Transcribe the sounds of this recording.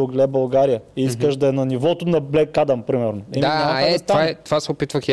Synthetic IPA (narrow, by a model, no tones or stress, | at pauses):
ʊɡlɛbɐlˠɡaɾijəiiskəʃd̪ɐɛnɐnivɔt̪ʊnɐblɛkːad̪ɐmpɾimɛɾnoɛminamɛɛɛt̪avaɛt̪ovasɛopit̪vəxj